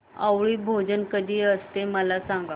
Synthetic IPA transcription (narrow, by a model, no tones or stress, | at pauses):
awɭiːbʱod͡ʑənkəd̪ʱiːəst̪eməlasaŋɡa